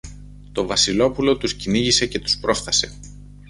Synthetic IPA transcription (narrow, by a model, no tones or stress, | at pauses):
t̪o̞vɐsilo̞pulo̞t̪usciniʝise̞ce̞t̪u̥spɾo̞sθɐse̞̰